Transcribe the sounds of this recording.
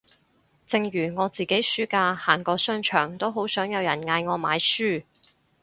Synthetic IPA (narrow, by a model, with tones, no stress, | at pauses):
t͡sɪ˧ŋjyː˨˩ŋɔː˨˧t͡siː˨˩ke˨˥jsyː˥kaː˧haː˨˩ŋkɔː˧sœː˥nt͡ʃʰœː˨˩ŋt̪o˥wɦo˨˥wsœː˨˥ŋjɐ˨˧wjɐ˨˩nŋaː˧jŋɔː˨˧maː˨˧jsyː˥˩